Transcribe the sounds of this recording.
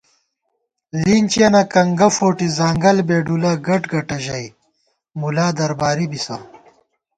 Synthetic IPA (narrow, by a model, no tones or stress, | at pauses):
liːnt͡ɕɐnɐkɐŋɡɐfoːʈizaːŋɡɐlbeːɖulaɡɐʈɡɐʈɐʑɐj | mulaːd̪ɐɾbaːɾibisɐ